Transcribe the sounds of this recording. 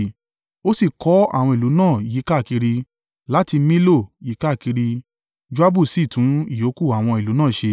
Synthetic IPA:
o˦si˦˨kɔ˨˦a̰˦˨w̃ɔ̃˧i˨lu˨˦nãː˦˨ji˨˦ka˦˨ki˧ɾi˧ | la˦ti˧mĩ˦lo˦˨ji˨˦ka˦˨ki˧ɾi˧ | d͡ʒu˦a˦bu˦˨si˦˨tũ˨˦i˦˨jo˨˦ku˦˨a˨w̃ɔ̃˧i˨lu˨˦nãː˦˨ʃe˧

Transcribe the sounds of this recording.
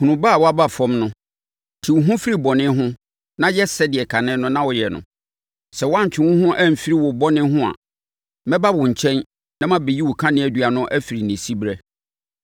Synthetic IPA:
hũ˨nũ˨ba˦˨wɔ˦a˦ba˦˨fɔ̃˦mnʊ̃˦ | tʰi˨wɦʊ̃˦fi˦ɾi˦bɔ˨nɪ̃˦ɦʊ̃˦ | nã˦jɛ˦sɛ˦dɪ˨ɛ˨kʰa˨nɪ̃˦nʊ̃˦nã˦wɔ˨jɛ˨nʊ̰̃˨ | sɛ˨wɔ˦ã˦ɲ̩˨t͡ɕᶣɪ̃˨wʊ̃˦ɦʊ̃˦ʔæ˦˨m̩˨fi˦ɾi˦wɔ˨bɔ˦nɪ̃˦ɦʊ̃˦a̰˨ | mɛ̃˦ba˦wʊ˨ɲ̩˨t͡ɕʰɛ̃˦n | nã˦mã˦be˨ji˦wʊ˨kʰã˦nɪ̃˦æ˨dɥa˨nʊ̃˦ʔæ˦fi˨ɾi˨nɪ̃˨si˦bɾɛ˦

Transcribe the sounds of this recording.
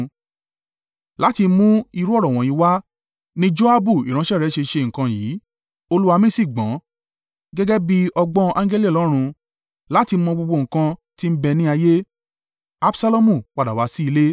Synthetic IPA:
la˨˦ti˧˦mũ˦i˧ɾu˦ɔ˦˨ɾɔ˨w̃ɔ̃˨ji˨˦wa˦ | nĩ˦d͡ʒo˦a˦bu˦˨i˨ɾ̃ã˨˦ʃɛ˦˨ɾɛ˨˦ʃe˧ʃe˧˨ŋ̩˨kã˧jiː˨˦ | o˧lu˦a˧mĩ˦si˦˨ɡ͡bã˨˦ | ɡɛ˦ɡɛ˦bi˦ɔ˧ɡ͡bɔ̃˦ʔã˦ŋ˦ɡe˦li˦˨lɔ˨˦ɾ̃ũ˧ | la˨˦ti˧˦mɔ̃˧ɡ͡bo˧ɡ͡bo˧˨ŋ̩˨kã˧ti˦m̩˦bɛ˧nĩ˦a˧je˦ | a˦bsa˦lo˦mũ˦˨k͡pa˨da˨wa˨˧˦si˦i˧le˦

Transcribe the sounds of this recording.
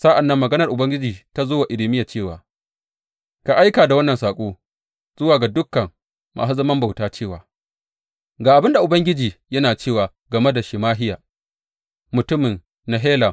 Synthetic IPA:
sa˦ʔa˨nːɐ˦mːɐ˨ɡɐ˦nɐ˨rʔʊ˨bɐ˦ŋɡʲɪ˦d͡ʒiː˨ta˦zoː˦wa˨ʔɪ˨lɪ˨˦mɪ˦ja˨t͡ʃeː˦˨wa̰ː˨ | ka˨ʔa˦jkaː˨da˨wɐ˦nːɐ˨nsaː˨kʷʼoː˦ | z̥ʊ˦waː˨ɡa˨dʊ˦kːɐ˨ŋ | mʔa̰ː˨su˦zɐ˦mɐ˦mba˨wtaː˦t͡ʃeː˦˨waː˨ | ɡaː˨ʔa˨bɪ˦nda˨ʔʊ˨bɐ˦ŋɡʲɪ˦d͡ʒiː˨jɐ˦naː˨t͡ʃeː˦˨waː˨ | ɡɐ˨me˦da˨ʃɪ˨maː˦ɦɪ˦jaː˨ | mʊ˨tʊ˦mɪ˨n | na˨ɦeː˦la˨

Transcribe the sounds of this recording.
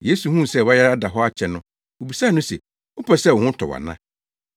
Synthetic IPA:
je˦su˨hũ˦˨sɛ˦˨wa˦jɛ˦a˦da˨ɦɔ˦a˦t͡ɕʰɛ˨nʊ̃˦ | wo˨bi˨sã˦˨nʊ̃˦sɛ˨ | ʊ˦pʰɛ˨sɛ˦˨wɔ˨hʊ̃˦tʰɔ̰˨wa̰˨nã̰˦

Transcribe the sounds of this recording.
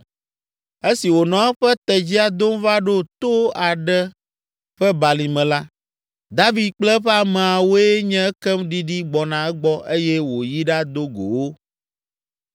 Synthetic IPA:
e˦si˨wo˨nɔ̃˨ɛ˦ɸɛ˦t̪ɛ˨d͡ʑi˦a˨d̪o˦m˦va˦ɖo˦t̪o˦a˨ɖɛ˦ | ɸɛ˦ba˨li˨mɛ̃˨la˦ | d̪a˦vi˨d̪̚k͡plɛ˦ɸɛ˦a˨mɛ̃˨a˨wo˦ɛ˦ɲɛ̃˦ɛ˦kɛ˦mɖi˦ɖi˦ɡ͡bɔ˨nã˨ɛ˦ɡ͡bɔ˦ʔe˦jɛ˦wo˨ji˦ɖa˦d̪o˦ɡo̰˨wo˦

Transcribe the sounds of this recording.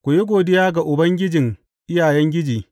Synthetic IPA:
kʷʊ˨je˦ɡʷoː˨dɪ˦jaː˦ɡa˨ʔʊ˨bɐ˦ŋɡʲɪ˦d͡ʒɪ˨ŋ | ʔɪ˦jaː˨jɛ˦ŋɡʲɪ˦d͡ʒiː˨

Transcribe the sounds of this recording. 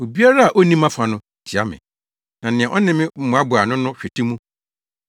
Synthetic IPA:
o˨bi˦a˦ɾa˦a˨ʔo˦nĩ˦mã˦fa˨nʊ̃˦ | tʰi˨a̰˦mɪ̰̃˨ | nã˨nɪ̃˨ɛ̃˨ʔɔ˦nɪ̃˦mɪ̃˦m̩˦mũ˨˦a˦bʊ˨a˨nʊ̃˦nʊ̃˦ɕᶣe˨tʰi˦mũ˦

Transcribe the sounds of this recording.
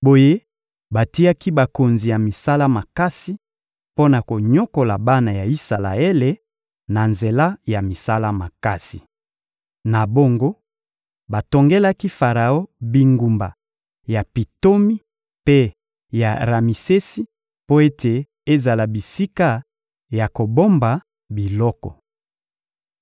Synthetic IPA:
bo˨je˦ | ba˨ti˦a˦ki˦ba˨ko˨nzi˨ja˨mi˨sa˦la˦ma˨ka˦si˦ | po˦na˨ko˨ɲo˦ko˨la˨ba˦na˨ja˨i˦sa˨la̰˨e˦le˨ | na˨nze˨la˦ja˨mi˨sa˦la˦ma˨ka˦si˨ | na˨bo˦ŋɡo˦ | ba˨to˨ŋɡe˦la˦ki˦fa˨ʁa˨o˦bi˨ŋɡu˨mba̰˨ | ja˨pi˨to˦mi˦ | pe˦ | ja˨ʁa˨mi˨se˦si˦ | po˦e˦tʰe˨ | e˦za˨la˨bi˨si˦ka˦ | ja˨ko˨bo˦mba˨ | bi˨lɔ˦kɔ̰˨

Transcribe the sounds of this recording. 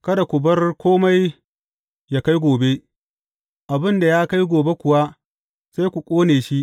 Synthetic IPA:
kɐ˦da˨kʷʊ˨bɐ˦rkʷʰoː˦ma˦j | ja˦˨ka˦jɡʷoː˨be˦ | ʔa˨bɪ˦nda˨jaː˦ka˦jɡʷoː˨be˦kʷʊ˨wa˦ | sa˦jkʷu˨kʷʼoː˦neː˨ʃi˦ʔ

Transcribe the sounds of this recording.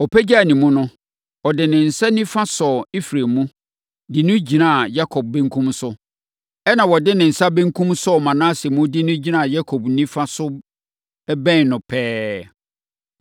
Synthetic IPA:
ɔ˨pʰɛ˦d͡ʑa˦˨nĩ˨mũ˦nʊ̃˦ | ɔ˨dɪ˨nɪ̃˨n̩˨sa˦nĩ˦fã˦sɔ˨i˦fɾe˨mũ˦ | dɪ˨nʊ̃˦d͡ʑi˨nã˦˨ja˦kʰɔ˨b̚bɛ̃˦ŋ˦kʰũ˦msʊ˦ | ɛ˦nã˨wɔ˨dɪ˦nɪ̃˨n̩˨sa˦bɛ̃˦ŋ˦kʰũ˦msɔ˦˨mã˨nãː˦sɪ˨mũ˦dɪ˦nʊ̃˦d͡ʑi˨nã˦˨ja˦kʰɔ˨bnĩ˦fa˦sʊ˦ | bɛ̃˦n˨nʊ̃˨pʰɛː˦

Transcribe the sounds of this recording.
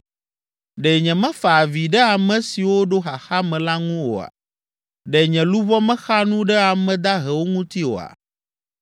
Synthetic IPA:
ɖɛ˨ɲɛ̃˨mɛ̃˦fa˨vi˨ɖɛ˦a˨mɛ̃˨si˨wo˦ɖo˦xa˨xa˦mɛ̃˨la˦ŋũ˦wo̰˨a̰˨ | ɖɛ˨ɲɛ̃˨lu˦vɔ˦mɛ̃˦xa˦nũ˦ɖɛ˦a˨mɛ̃˨d̪a˦ɦɛ˨wo˦ŋũ˦t̪i˦wo̰˨a̰˨

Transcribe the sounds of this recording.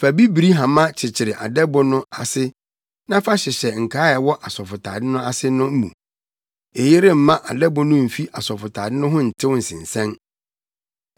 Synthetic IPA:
fæ˨bi˦bi˨ɾi˦ɦã˨mã˦t͡ɕʰɪ˨t͡ɕʰɪ˨ɾɪ˨ʔa̰˨dɛ˦bʊ˦nʊ̃˦a˨sɪ˦ | nã˦fa˦ɕɛ˨ɕɛ˨ŋ̩˨kʰaː˦ɛ˨wɔ˦ʔa˨sɔ˨fʊ˨tʰa̰ː˨dɪ˦nʊ̃˦a˦sɪ˦nʊ̃˦m̩˦mṵ̃˨ | e˨jɪ˦ɾɪ˦m̩˨mã˦ʔa˨dɛ˦bʊ˦nʊ̃˦m̩˨fi˦ʔa˨sɔ˨fʊ˨tʰaː˨dɪ˦nʊ̃˦ɦʊ̃˦n̩˨tʰɪ˦wʊ˦n̩˨sɪ̰̃˨n̩˨sɛ̃˦n

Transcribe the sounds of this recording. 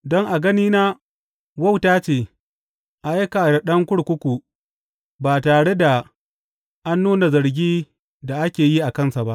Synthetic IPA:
dɔ˦ŋʔa˨ɡɐ˦niː˦naː˦ | wɐ˦wtaː˦t͡ʃeː˨ | ʔa˨jka˨ɾa˨ɗɐ˦ŋkʷʊ˦ɽkʷʊ˦kʷu˨ | baː˨taː˨ɽe˦da˨ | ʔa˦nːuː˦na˨zɐ˨ɾɡʲiː˦ | da˨ʔa˦kʲeː˨ji˦ʔa˨kɐ˦nsa˨ba˦ʔ

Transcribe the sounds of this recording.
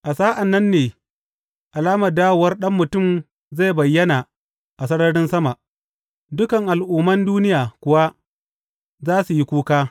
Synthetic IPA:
ʔa˨saː˦ʔa˨nːɐ˦nːeː˨ | ʔa˨laː˦mɐ˨daː˦wo˨wɐ˦rɗɐ˦mːʊ˨tʊ˦˨m | za˦˨bɐ˨jːɐ˦na˨ | ʔa˨s̬ɐ˦ɽɐ˦ɽɪ˦nsɐ˦ma˨ | dʊ˦kɐ˨ŋʔa˨lʔuː˨mɐ˦nduː˦nɪ˦jaː˨kʷʊ˨wa˦ | zaː˦su˨ji˦kʷuː˦kaː˦

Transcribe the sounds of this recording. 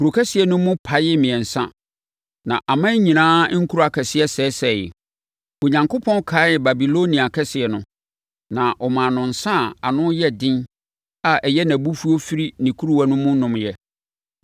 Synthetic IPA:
ku˨ɾo˨kʰɛ˦sɪ˨ɛ˨nʊ̃˦mʊ̃˦pʰa˨jɪ˦mɪ̃˨ɛ̃˨n̩˨sã̰˦ | nã̰˨ʔa˨mã˦ɲĩ˨nãː˦ŋ̩˦kʰu˦ɾu˦a˨kʰɛ˨sɪ˦ɛ˦sɛː˨˦sɛ˨jɪ̰˨ | o˨ɲã˨ŋkʰo˦pʰɔ̃˦nkʰaː˨˦jɛ˨ba˨bi˨lo˦nĩ˨a˨kʰɛ˦sɪ˨ɛ˨nʊ̰̃˨ | nã˨ʔɔ˨mã˨nʊ̃˨n̩˨sã˦˨a˨nʊ̃˦jɛ˦dɪ̃˦n | a˨ʔɛ˨jɛ˦næ̃˨bu˦fu˦o˦fi˦ɾi˦nĩ˨kʰu˦ɾu˦wa˦nʊ̃˦mʊ̃˦nʊ̃˨mjɛ˦

